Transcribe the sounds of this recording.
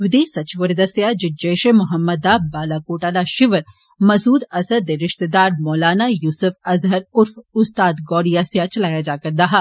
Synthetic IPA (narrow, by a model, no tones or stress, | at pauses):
ʋɪd̪eːsɐt͡ʃʋəɾd̪ɐsjad͡ʒɪd͡ʒɛːʃemʊɦəmːəd̪aːbaːlaːkoːʈaːlaʃɪʋəɾ | mɐzuːd̪ɐsəd̪eɾɪʃt̪ed̪aːɾmɔːlaːnajuːsʊfɐzɦəɾʊɾfʊst̪aːd̪ɡɔːɽijasjat͡ʃɐlaːjad͡ʒaːkɐɾd̪aːɦaː